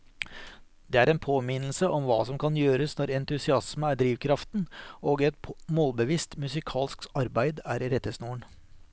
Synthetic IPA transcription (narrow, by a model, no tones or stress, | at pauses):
d̪̥ɛːæɾɛnpʰoːmɪnl̩səʔɔmʋɑ̰ːsɔmkʰɑnjøːɾəsnɔɾɛnt̪ʉsɪɑsməæɖɾiːʋkʰɾɑft̪noːɡɛt̪moːlbəʋist̪mʉsɪkʰɑːlsksɑɾbæɪd̪æɾɾɛt̪ːəsnuːəɳ